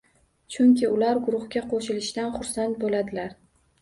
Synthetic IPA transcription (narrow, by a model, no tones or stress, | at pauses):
t͡ʃʰʊŋkʲʰɪʊlaɾɡʊɾʊχɡʲaqʰoʃɪlɪʃt̪anχʊɾsant̪̚bolad̪ɪlaɾ